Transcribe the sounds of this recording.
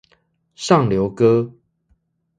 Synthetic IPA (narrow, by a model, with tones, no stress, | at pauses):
ʂɑ˥˨ŋljo˨˦ʊkɤ˦